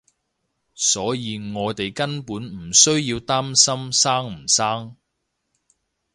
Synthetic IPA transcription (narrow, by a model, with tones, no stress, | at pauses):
sɔː˨˥jiː˨˧ŋɔː˨˧jt̪e˨jkɐ˥npuː˨˥nm̩˨˩sɵ˥ɥjiː˧wt̪aː˥msɐ˥msaː˥ŋm̩˨˩saː˥ŋ